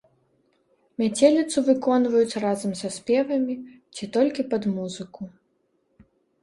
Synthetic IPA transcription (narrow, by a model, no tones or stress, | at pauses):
mʲat͡sʲelʲit̪sɨvɨkɔnvɐjut͡sʲrazɐmsɐsʲpʲɛvɐmʲi | t͡sʲit̪ɔlʲkʲipɐd̪muzɨku